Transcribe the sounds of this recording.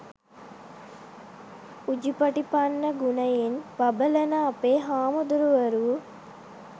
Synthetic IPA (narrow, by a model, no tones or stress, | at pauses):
ud͡ʒipɐʈipanːəɡunɐjenbɐbəlɐnaːpeːɦaːmod̪uɾuʋɐɾuu